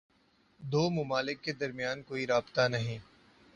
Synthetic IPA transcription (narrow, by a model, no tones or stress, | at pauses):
d̪oːmʊmaːlɪkːed̪ɐɾmijaːnkoːiɾaːbt̪anɐɦĩː